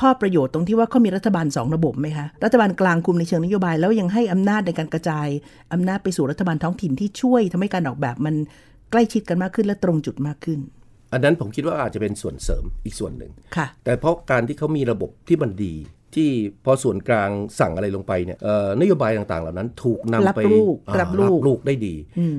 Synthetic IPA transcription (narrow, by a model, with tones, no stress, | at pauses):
kʰɔː˥˩pɾa˧joː˨˩t̪ːo˧ŋiː˥˩waː˥˩ɔː˥˩miː˧ɾa˦˥t̪ʰːbaː˧nsɔ̰ː˩˦ŋɾa˧bo˨˩p̚ma˦˥jkʰa˦˥ʔɾa˦˥t̪ʰːa˧baː˧nklaː˧ŋkʰu˧mna˧jt͡ɕʰɯ˧ŋna˦˥joː˧˩baː˧jlɛː˦˥wja˧ŋɦa˥˩jʔa˧mnaː˥˩t̪̚na˧jkaː˧nka˧t͡ɕaː˧j | ʔa˧mnaː˥˩t̪̚pa˧jsuː˨˩ɾa˦˥t̪ʰːa˧baː˧nt̪ʰɔ˦˥ŋt̪ʰi˨˩nt̪ʰiː˥˩t͡ɕʰu˥˩əjt̪ʰa˧mha˥˩jkaː˧nʔɔː˨˩k̚bɛː˨˩p̚ma˧n | kla˥˩jt͡ɕʰi˦˥t̪̚ka˧nmaː˥˩kʰːɯ˥˩nlɛː˦˥wt̪ɾo˧ŋt͡ɕu˨˩t̪̚maː˥˩kʰːɯ˥˩n | ʔa˧nːa˦˥npʰo˩˦mkʰi˦˥waː˥˩ʔaː˨˩t̪̚t͡ɕa˨˩pe˧nsu˨˩ənsɤ̰ː˩˦mʔiː˨˩k̚su˨˩ənːɯ̰˨˩ŋkʰa˥˩t̪ɛː˨˩pʰɾɔ˦˥kaː˧nt̪ʰiː˥˩kʰa˦˥wmiː˧ɾa˧bo˨˩p̚t̪ʰiː˥˩ma˧ndiː˧t̪ʰiː˥˩pʰɔ˧su˨˩ənklaː˧ŋsa˨˩ŋʔa˧ɾa˧jlo˧ŋpa˧jni˥˩ɐʔəː˨˩na˦˥joː˧baː˧jt̪aː˨˩ŋt̪a̰ː˨˩ŋla˨˩wna˦˥nt̪ʰuː˨˩k̚na˧lma˦˥pa˧ɾuː˥˩k̚ʔa˦˥p̚luː˦˥˩luː˥˩k̚daː˥˩jdiː˧ʔɯː˧˩